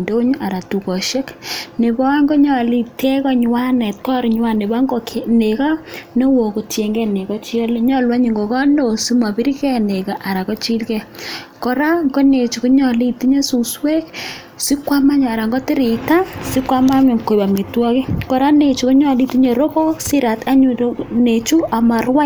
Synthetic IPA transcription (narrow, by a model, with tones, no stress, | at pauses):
ndo˦ɲu˦ʔa˨ɾa˨tu˨kɔ˨ʃe˦kne˨bɔ˦ŋɡo˦ɲɔ˨li˦˨tɛ˦kɔ˦ɲ˨wa˦nɛ˨t̚kɔ˦ɾɲ˦wa˦ne˨ba˦ŋɡɔ˦kʰe˦ne˨ka˦ne˦wo˨ko˨tje˨ŋɡɛ˦ne˨kɔ˦t͡ʃi˦ɔ˦le˦ɲɔ˦lwa˦ɲi˨ŋɡo˨kɔ˦no˨si˦ma˨bi˦ɾi˦kɛ˦ne˨ka˨ʔa˨ɾa˨kɔ˦t͡ʃi˦lkɛ˦kɔ˨ɾa˦ŋɡo˦ne˨t͡ʃu˨ku˦ɲɔ˨li˦ti˦ɲe˦su˨swe˦k | si˦kwa˦ma˦ɲ˨a˨ɾa˨ŋɡɔ˦ti˦ɾi˨ta˦si˦kwa˦ma˦mo˨ŋko˨ba˨me˨twɔ˦ki˦kɔ˨ɾa˦ne˨t͡ʃu˨ku˦ɲɔ˨li˦ti˦ɲe˨ɾo˦kɔ˦si˦ɾa˨tʰa˦ɲu˨˦ne˨t͡ʃu˦ʔa˨ma˨ɾwa˦